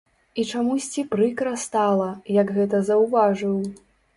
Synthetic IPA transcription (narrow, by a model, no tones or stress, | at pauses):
it͡ʂamusʲt͡sʲipɾɨkɾɐst̪alˠɐjɐɡɣɛt̪ɐzɐwvaʐɨw